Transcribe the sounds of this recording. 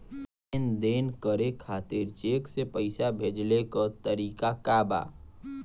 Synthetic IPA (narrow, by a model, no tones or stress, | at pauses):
end̪eːnkəɾekʰaːt̪ɪɾt͡ʃeːksepəɪsabʱeːd͡ʒlekət̪əɾiːkakaːba̰ː